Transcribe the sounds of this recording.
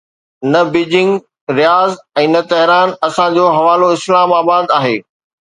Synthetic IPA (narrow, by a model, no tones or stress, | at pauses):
nɐbiːd͡ʑɪ̃ŋɡ | ɾijaːzɛ̃ːnɐt̪ɐɦɪɾaːnɐsãd͡ʑoːɦɐʋaːloɪslaːmaːbaːd̪aːɦeː